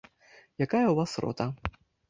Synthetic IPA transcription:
jakajɐuvasrɔ̰t̪ɐ

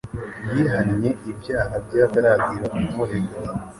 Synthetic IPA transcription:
jiːɦanɲe̞ʔibjaːɦabɟaːɡaɾaːɡiɾokumuɾeɡo

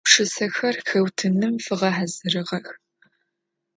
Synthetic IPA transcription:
pʂɨsɐxɐrxɐwtʰɨnɨmfɨʁɐħazɨrɨʁɐx

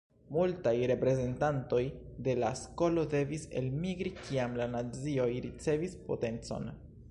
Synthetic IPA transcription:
multajɾe̞pɾe̞ze̞ntanto̞j | de̞lasko̞lo̞de̞vise̞̰lmiɡɾikʰiamlanat͡sio̞jɾit͡se̞vispo̞̰te̞nt͡so̞̰n

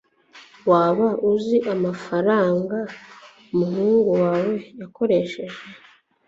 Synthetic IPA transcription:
waːβaʔuziʔamafaɾaːŋɡa | umuɦuːŋɡuwaːwe̞jako̞ɾe̞ʃe̞ʒe̞

